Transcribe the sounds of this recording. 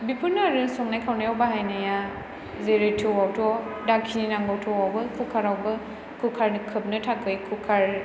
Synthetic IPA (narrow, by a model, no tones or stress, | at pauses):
bipʰunaɾɯsɔŋnajkʰawnajawbaɦajnaja | zeɾejtʰɯwawtʰɔdakʰininaŋbɔwtʰɔwawbɯkʰukʰaɾawbɯ | kʰukʰaɾnɯkʰɯp̚nɯtʰakʰɯjkʰukʰaɾ